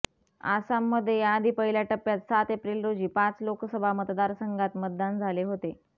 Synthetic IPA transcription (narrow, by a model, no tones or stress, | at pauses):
a̰samːəd̪ʱːjejaːd̪ʱiːpəɦiljaʈəpːjat̪sat̪epɾiːlɾod͡ʑiːpat͡sloksəbʱamət̪d̪aɾsəŋɡʱat̪mət̪̚d̪and͡zʱaleɦot̪e